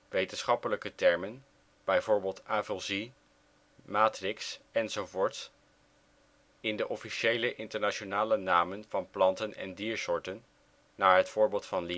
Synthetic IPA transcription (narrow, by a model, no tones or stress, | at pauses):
ʋejtənsχɑpələkətɛɹmən | b̥ɛjvʊːɹbeːlˠtavəlˠzi | maːtrɪksɛnzovʊːɹts | ɪndəʔɔfiʃejləʔɪntəɹnaʃonaːlənaːmənvɑnplɑntənɛ̰ndiːɹsʊːɹtənː | aːɹɦətfʊːɹbeːlˠtfɑnli